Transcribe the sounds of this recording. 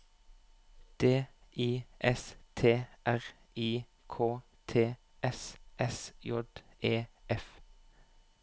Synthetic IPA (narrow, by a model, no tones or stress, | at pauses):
d̪̥eːiːʔɛst̪ʰeːʔæʁ | iː | kʰoː | t̪ʰeː | ʔɛsʔɛsjɔd̪ʔeːɛf